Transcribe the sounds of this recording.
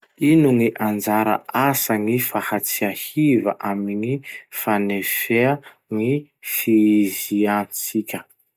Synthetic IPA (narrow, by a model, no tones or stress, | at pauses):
inuŋiʔand͡zaɾa̰ʔasaŋifahat͡siahiva̰ʔamiŋifanefea | ŋifizianit͡sikʲə